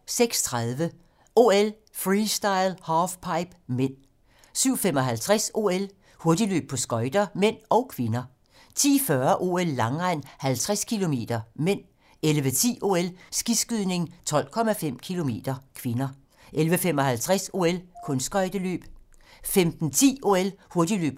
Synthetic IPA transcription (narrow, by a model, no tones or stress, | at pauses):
seɡ̥st͡sʰʁaðˠʋə | ʔo̝el | fʁisd̥ɑ̈ɪlhɑfpʰɑ̈ɪb̥men̰ | syʊ̰femɒ̽ɦælt͡sʰʁaso̝̰ːel | hoɐd̥ilø̰ːb̥̚pʰɒ̽sɡ̥ɒ̽ɪd̥ɐmen̰ɒ̽ʊkʰʋe̝nɐ | t͡sʰḭːfɶɐʔo̝ːelːɑ̈ŋʁan̰hælt͡sʰʁaskʰilo̝me̝̰ːd̥ɐmen̰ | elʋət͡sʰḭːʔo̝̰ːelsɡ̥isɡ̥yðˠne̝ŋt͡sʰɒ̽l̰kʰɒ̽mæfem̰kʰilo̝me̝̰ːd̥ɐkʰʋe̝nɐ | ʔelʋəfemɒ̽ɦælt͡sʰʁaso̝̰ːelkʰɔ̽nsɡ̥ɒ̽ɪd̥əlø̰ːb̥femd̥n̩t͡sʰḭːʔo̝elhoɐd̥ilø̰ːb̥̚